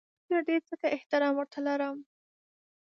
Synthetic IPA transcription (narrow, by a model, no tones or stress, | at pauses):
eɾd̪et͡səkaʔɪht̪ɪɾɑmwəɾt̪alaɾəm